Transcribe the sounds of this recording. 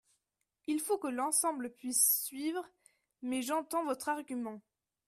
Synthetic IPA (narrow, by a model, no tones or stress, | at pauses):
ilfokəlɑ̃sɑ̃bləpɥisːɥivʁ | mɛʒɑ̃t̪ɑ̃vɔt̪χaʁɡʲymɑ̃